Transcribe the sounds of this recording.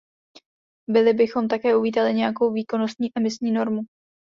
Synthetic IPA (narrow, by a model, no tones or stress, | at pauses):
bɪlɪbɪxo̞mt̪akɛːʔuviːt̪alɪɲɛjako̞wviːko̞no̞st̪ɲiːʔɛmɪsɲiːno̞ɾmu